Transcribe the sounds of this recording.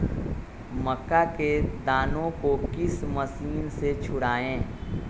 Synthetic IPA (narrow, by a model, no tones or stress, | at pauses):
mɐkːaked̪aːnõkokɪsmɐsiːnset͡ʃʰʊɽaːẽː